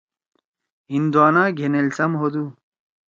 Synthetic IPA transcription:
ind̪uaːnaːɡʱenelsɐmɦod̪u

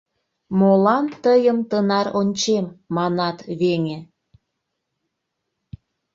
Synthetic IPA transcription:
molɑnt̪əjəmt̪ənɑɾonʲt͡ɕemːɑnɑt̪βeŋe

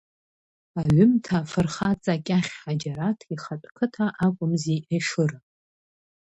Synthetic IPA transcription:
aɥʷʊmtʰaːfɨrχat͡sʼakʲʼaχʲħad͡ʒaɾatʰiχatʷʼkʰɨtʰaʔakʷʼʊmziʔaʂɨr

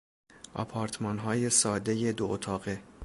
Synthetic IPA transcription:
ʔɒ̰pʰɒːɾt̪ʰmɒːnɦɒːje̞sɒːd̪e̞je̞d̪oʔot̪ʰɒːɣe

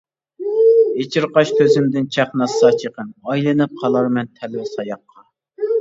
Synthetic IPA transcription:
et͡ʃʰiɾqɑʃt̪ʰøzɪmd̪ɪnt͡ʃʰæχnɑsɑt͡ʃʰeqənɑjlˠɨnɨp̚qʰɑlˠɑɾmɛnt̪ʰɛlɪwɪsɑjɑqːɑ

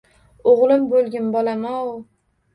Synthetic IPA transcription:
oʁlˠɪmbolˠɡʲɪnbɒlamɒw

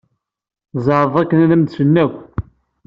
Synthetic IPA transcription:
zˤɑɾəðˤækːənænæmd̪sənːækʷː

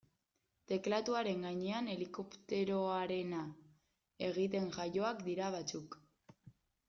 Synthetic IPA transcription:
t̪e̞klat̪uaɾe̞ŋɡaɲe̞ane̞liko̞pt̪e̞ɾo̞aɾe̞na | e̞ɣ̞it̪e̞ŋʝajo̞akd̪iɾaβ̞at͡suk

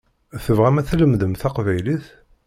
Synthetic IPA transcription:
θəvʁæmæθləmðəmθæqvæjliθ

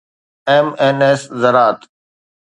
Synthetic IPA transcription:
eːmeːneːszɐɾaːt̪

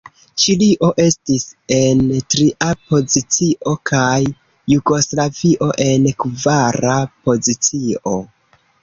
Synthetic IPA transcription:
t͡ʃiliʔo̞ʔe̞stise̞ntɾiʔapo̞zit͡siʔo̞kʰajː | uɡo̞slaviʔo̞ʔe̞nkvaɾapo̞zit͡sio̞̰

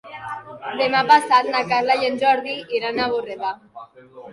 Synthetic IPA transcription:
d̪emapasat̪nakazlajend͡ʒɔɾðiiɾanaβoreβa

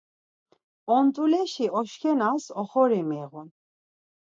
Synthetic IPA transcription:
ɔnt̪ʼulɛʃiɔʃkʰɛnasɔχɔɾɛmɛɣun

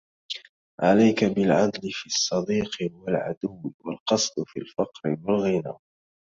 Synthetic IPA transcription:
ʕalajkabɪlʕad̪lɪfiːɑsˤːɑd̪iːqɪwalʕa̰d̪ʊwːɪwalqɑsˤd̪fḭlfɑqɾɪwalɣɪnaː

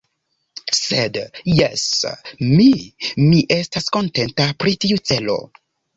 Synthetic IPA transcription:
sedjesmimiʔe̞stasko̞nte̞ntapɾitiut͡se̞lo̞̰

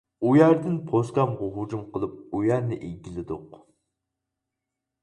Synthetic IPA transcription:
ujæɾd̪ɪnpʰoskʲɑmʁʊɦud͡ʒumqəlˠɨp̚ujæɾnɪʔeɡʲilɪd̪ʊq

